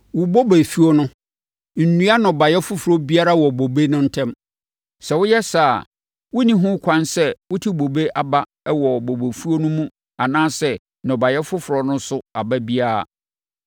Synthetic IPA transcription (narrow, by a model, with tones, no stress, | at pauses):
wʊ˨bɔ˦bæ˨fu˦o˦nʊ̃˦ | n̩˨nũ˦a˦nɔ̃˨ba˨jɛ˦fʊ˦fɾɔ˦bi˦a˦ɾa˦wɔ˨bo˨be˦nʊ̃˦n̩˦tʰɛ̃˦m | sɛ˨wʊ˦jɛ˦sa˦˨ | wʊ˦nĩ˦ɦʊ̃˦kʷʰã˦nsɛ˦wʊ˦tʰi˦bo˨be˦ʔa˨ba˦ | ɛ˦wɔ˨bo˨be˨fu˦o˦nʊ̃˦mũ˦ | a˨nãː˦sɛ˦ | nɔ̃˨ba˨jɛ˦fʊ˦fʊ˨ɾɔ˨nʊ̃˦sʊ˦a˨ba˦bi˦a˦a̰˨